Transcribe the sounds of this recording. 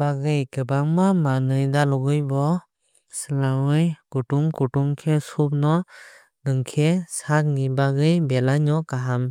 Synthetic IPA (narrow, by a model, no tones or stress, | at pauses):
baɡɯjkɯbaŋmamanɯjdalɔɡɯjbɔ | sɯlawɯjkutuŋkuʈuŋkʰesup̚nɔ | dɯŋkʰesak̚ŋibaɡɯjbelaɲɔkaɦam